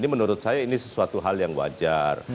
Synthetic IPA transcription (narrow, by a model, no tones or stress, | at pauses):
nimənuɾʊt̪̚sajainisəsuat̪uɦaljaŋwa̰d͡ʒar